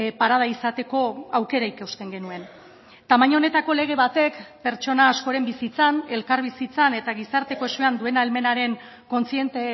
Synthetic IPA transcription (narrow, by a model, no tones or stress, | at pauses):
paɾað̞aisat̪e̞ko̞awke̞ɾaikewst̪e̞ŋɡe̞nue̞n | t̪amaɲone̞t̪ako̞le̞ɣ̞e̞βat̪e̞kpe̞ɾt͡ʃo̞naːsko̞ɾe̞mbisit͡sane̞lkaɾβisit͡sane̞t̪aɣisaɾt̪e̞ko̞e̞seand̪ue̞nalme̞naɾe̞ŋ | ko̞nt͡sie̞nt̪e